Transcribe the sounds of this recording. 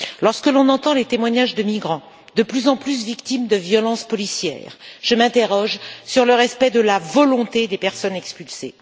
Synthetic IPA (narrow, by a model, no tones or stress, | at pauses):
lɔʁskəlɔ̃nɑ̃t̪ɑ̃let̪emwaɲaʒd̪əmiɡʁɑ̃ | d̪əplyzɑ̃plysvikt̪imd̪əvjɔlɑ̃spɔlisjɛ̰ːʁʒ̥əmɛ̃t̪eʁɔʒsyʁləʁɛspɛd̪əlavɔlɔ̃t̪ed̪epɛʁsɔnɛkspylse